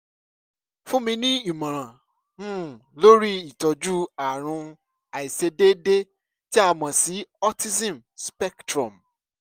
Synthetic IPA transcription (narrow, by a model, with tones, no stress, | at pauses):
fũ˦mĩ˧nĩ˦i˨mã˨ɾ̃ã˨ | m̩̃˦˨lo˦ɾi˦i˨tɔ˨d͡ʒu˦a˨ɾ̃ũ˧ | a˨i˨se˧de˦de˦ | ti˦a˧mã˨si˨˦ɔ˦ti˦sĩ˦˨m | spɛ˦ktɾɔ̃˨m